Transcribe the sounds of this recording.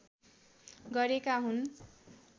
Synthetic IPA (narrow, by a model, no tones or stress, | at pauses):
ɡʌɾekaɦun